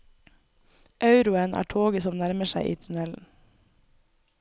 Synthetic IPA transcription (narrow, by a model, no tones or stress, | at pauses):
ʔɑʉɾʊənʔæ̰ːʈʰoːɡəsɔmnæɾməʃæɪʔḭːt̪ʰʉnɛln̩